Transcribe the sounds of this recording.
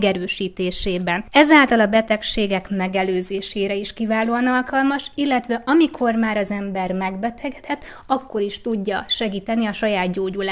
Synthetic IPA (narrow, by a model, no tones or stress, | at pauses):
ɡɛɾøːʃiːt̪eːʃeːbɛnɛzaːlt̪ɒlɒbɛt̪ɛkʃeːɡɛkmɛɡɛløːzeːʃeːɾɛiʃkivaːloːɒnɒlkɒlmɒʃilːɛt̪ʋɛʔɒmikʰo̞rmaːɾɒzɛmbɛrmɛɡbɛt̪ʰɛɡɛt̪ʰɛt̪ː | ɒkːo̞ɾiʃt̪uɟːɒʃɛɡiːt̪ɛniɒʃɒjaːd̪ɟoːɟulaː